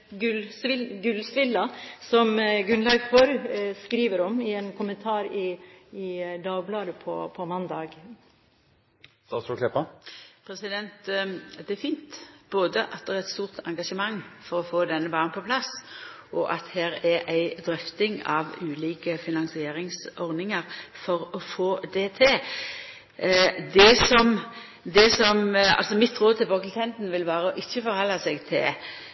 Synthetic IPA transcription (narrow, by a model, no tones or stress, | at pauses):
ɡʉlsɪɡʉlsʋɪlːɑsɔmɡʉnlɑɡfɔɾskɾiːʋəɾɔmɪɛnkʰʊmənt̪ʰɑːɾɪɪd̪ɑːɡblɑːd̪əpʰɔpʰɔmɑnd̪ɑːɡ | st̪ɑsɾʊkʰlɛpɑpʰɾɛsɪd̪ɛnt̪d̪ɛɛfiːnt̪b̥oːd̪əʔɑt̪̚d̪ɛæɾɛt̪st̪uːʁt̪ʰɑ̰ŋɡɑʂəmɑŋːfɔɾɔfoːd̪ɛnːəbɑːnnpʰɔpʰlɑs | ɔʔɑt̪hæːɾɛɾʔæɪd̪ɾœft̪ɪŋɑ̰ʋʉːliːkəfɪnɑŋsɪeːɾɪŋsɔʁdnɪŋəɾfɔɾɔfoːd̪ɛt̪ʰɪl | d̪ɛsɔm | d̪ɛsɔmɑ̰lsɔmɪt̪ʁoːd̪̚t̪ʰɪlbɑklk̪ʰɛnd̪n̩ʋɪlʋɑːɾəɔʔɪçːəfɔɾhɑlːɑsɛɡt̪ʰɪ̰l